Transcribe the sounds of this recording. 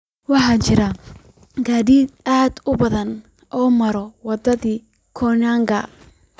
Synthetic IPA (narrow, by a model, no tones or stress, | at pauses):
wɑħɑt͡ʃɪɾɐ | ɡaːðiːd̪ʔaːd̪ʊbɐðɐn | ʔɔːmɐɾɔwɑd̪ɐðiː | kʰɔnaːŋɡɐ̰